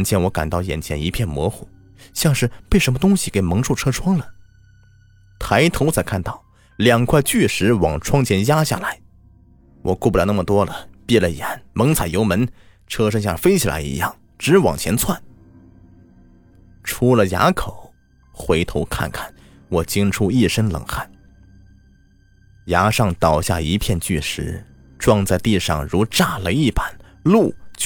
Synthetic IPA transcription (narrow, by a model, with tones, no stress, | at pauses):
ə˧˥nt͡ɕʰjɛ˧˥nwɔ˧˥ka̰˨˩nt̪ɑ˥˩ʊjɛ̰˨˩nt͡ɕʰjɛ̰˧˥ni˧˥pʰjɛ˥˩nmwɔ̰˧˥xu˨˩˦ | ɕjɑ˥˧ŋʂɻ̩˥˩pe˥˩ɪʂə˧˥nmə˧t̪ʊ˥ŋɕi˨ke˨˩ɪmɤ˧˥ŋʈ͡ʂʰu˥˩ʈ͡ʂʰɤ˥ʈ͡ʂʰwɑ˥ŋlə˨ | t̪ʰa˧˥ɪt̪ʰo˧˥ʊt͡sʰa˨˧˩ɪkʰa˥˧nt̪ɑ˥˩ʊ | ljɑ˨˩ŋkʰwa˥˧ɪt͡ɕy˥˩ʂɻ̩˧˥wɑ˨˩ŋʈ͡ʂʰwɑ˥ŋt͡ɕʰjɛ˧˥nja˥ɕja̰˥˩la˧˥ɪ | wʔɔ̰˨˩ku˥˩pu˩a˧˩n˥˩mə˨˩t̪wɔ˥lə˩pi˥˩lə˨jɛ̰˧˩˦nmɤ˧˥ŋt͡sʰa˨˩ɪjo˧˥ʊmə˧˥n | ʈ͡ʂʰɤ˥ʂɤ˥ŋɕja̰˥˩fe˥ɪt͡ɕʰi˨˩la̰˧˥ɪḭ˧˥jɑ˥˩ŋ | ʈ͡ʂɻ̩˧˥wɑ̰˨˩ŋt͡ɕʰjɛ˧˥nt͡sʰwa˥˩n | ʈ͡ʂʰu˧˥lə˨ja̰˧˥kʰo˨˩˦ʊ | xwe˧˥ɪt̪ʰo˧˥ʊkʰa̰˥˧nkʰa˥˩n | wɔ˨˩t͡ɕi˥ŋʈ͡ʂʰu˥i˥˩ʂə˥nlə̰˨˩ŋxa˥˩n | ja˧˥ʂɑ˥˩ŋt̪ɑ˨˩ʊɕja̰˥˩i˧˥pʰjɛ˥˧nt͡ɕy˥˩ʂɻ̩˧˥ | ʈ͡ʂwɑ˥˧ŋt͡sa˥˧ɪt̪i˥˧ʂɑ̰˥˩ŋɻu˧˥ʈ͡ʂa˥˩lə˧i˥˩pa˨˩˦n | lu˥˩